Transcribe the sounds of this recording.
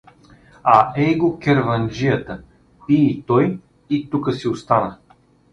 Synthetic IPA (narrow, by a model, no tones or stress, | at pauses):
aɛɡokʲɛɾvɐnd͡ʒijət̪ə | it̪ɔj | it̪ukəsiost̪anə